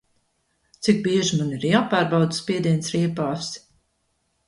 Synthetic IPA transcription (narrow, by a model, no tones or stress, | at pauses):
t̪sik̚biɛʒimaniɾjaːpaːɾbawd̪spʲiɛd̪iɛnsɾiɛpaːfs